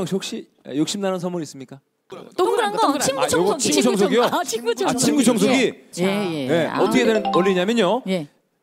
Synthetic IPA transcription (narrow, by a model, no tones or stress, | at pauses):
ŋʰok̚ɕ͈ḭ | jokɕ͈imnanʌnsʰʌmuɾis͈ɯmɲik͈a | nɡʌiɡat͡ɕʰʌɡʌt͡ɕʰiɡut͡ɕʰʌŋsʰoɡiot͡ɕʰit͡ɕat͡ɕʰimɡut͡ɕʰʌŋs̬ʰoɡi | je̞ʌtʰʌkʰedeɾɯnʌɭːiɲamjʌɲoj